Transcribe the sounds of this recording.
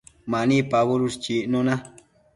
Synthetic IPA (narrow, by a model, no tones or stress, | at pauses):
mãnĩpaβoɾust͡ʃiʔnõnã